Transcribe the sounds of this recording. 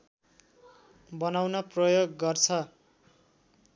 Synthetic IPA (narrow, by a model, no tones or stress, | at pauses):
bʌnawnʌprʌjoɡːʌrt͡sʰʌ